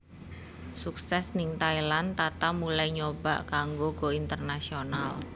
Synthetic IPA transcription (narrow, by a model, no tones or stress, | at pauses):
suksɛsnɪŋt̪ailant̪at̪amulajɲobaʔkaŋɡoɡ̥o̤int̪ərnasional